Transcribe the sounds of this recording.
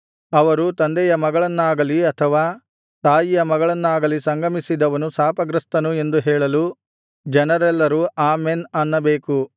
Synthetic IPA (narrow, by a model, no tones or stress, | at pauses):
ɐʋɐɾut̪ɐnd̪ɛjɐmɐɡɐɭɐnːaːɡɐliɐt̪ʰɐʋaː | t̪aːjijɐmɐɡɐɭɐnːaːɡɐlisɐŋɡɐmisid̪ɐʋɐnusaːpɐɡɾɐst̪ɐnue̞nd̪uɦɛːɭɐlu | d͡ʒɛnɐɾɛlːɐɾuʔaːmenɐnːɐbeːku